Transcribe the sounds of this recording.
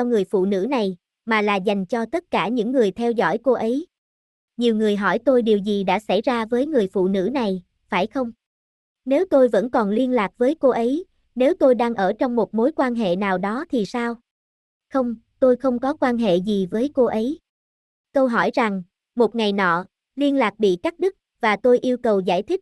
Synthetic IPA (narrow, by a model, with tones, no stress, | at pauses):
ɔ˧ŋɨ˨˩əjfṵ˧˨nɨ̰˧˥na˨˩j | maː˨˩laː˨˩za˨˩jŋ̟t͡ɕɔ˧t̪ə˦˥t̚kaː˧˩ɲɨ̰˧˥ŋːɨ˨˩əjt̪ʰɛ˧wzɔ̰˧˩jko˧ʔə˨˦j | ɲi˨˩əwŋɨ˨˩əjɦɔ˧˩jt̪o˧jɗi˨˩əwzi˨˩ɗa̰ː˧˥sa˧˩jzaː˧vəː˨˦jŋɨ˨˩əjfṵ˧˨nɨ̰˧˥na˨˩j | faː˧˩jxə˧wŋ͡m | ne˨˦wt̪o˧jvə̰˧˥nkɔ˨˩nli˧ənlaː˨˩k̚vəː˨˦jko˧ʔə˨˦j | ne˨˦wt̪o˧jɗaː˧ŋʔəː˧˩t͡ɕɔ˧wŋ͡mmo˨˩t̚mo˨˦jkwaː˧nɦḛ˧˨naː˨˩wɗɔ˨˦t̪ʰi˨˩saː˧w | xə˧wŋ͡m | t̪o˧jxə˧wŋ͡mkɔ˨˦kwaː˧nɦḛ˧˨zi˨˩vəː˨˦jko˧ʔə˨˦j | kə˧wɦɔ˧˩jza˨˩ŋ | mo˨˩t̚ŋa˨˩jnɔ̰˧˨ | li˧ənlaː˨˩k̚ɓḭ˧˨ka˦˥k̚ɗɨ˦˥k̚vaː˨˩t̪o˧jʔi˧əwkə˨˩wza̰ː˧˩jt̪ʰï˦˥k̚